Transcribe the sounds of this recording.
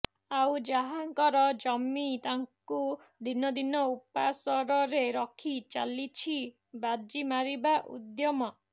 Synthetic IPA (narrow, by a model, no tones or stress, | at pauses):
awd͡ʒaɦaŋkɔɾɔd͡ʒɔmit̪aŋku | d̪inɔd̪inɔupasɔɾɔɾeɾɔkʰit͡ʃa̰lit͡ʃʰi | bad͡ʒimaɾibaʔṵd̪jɔmɔ